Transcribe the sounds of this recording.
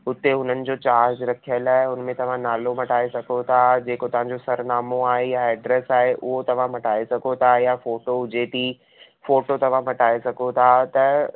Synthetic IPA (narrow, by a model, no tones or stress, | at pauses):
ʊt̪ːeɦʊn̤ənɪ̆d͡ʑoːt͡ɕaːɾd͡ʑɾɐkʰijəlaːɦɪʊnmẽt̪ɐʋ̤ãnaːlomɐʈaːesɐɡʱot̪ʰad͡ʑeːkot̪ɐʋ̤ãɲd͡ʑosɐɾnaːmoaːɦejaɛːɖɾɛsaːɦeʔʊɦot̪ɐʋ̤ãmɐʈʰaːesɐɡʱot̪ʰajafoːʈoʊd͡ʑet̪ʰi | foːʈot̪ɐʋ̤ãmɐʈaːesɐɡʱot̪ʰat̪ɐ